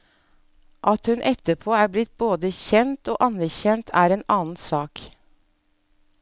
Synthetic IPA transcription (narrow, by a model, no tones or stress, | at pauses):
ʔɑt̪hʉnʔɛt̪əpʰoːæːblɪt̪̚boːd̪əçɛnt̪o̰ːʔɑnæçɛnt̪ʰæːɾeːnɑːn̩sɑːk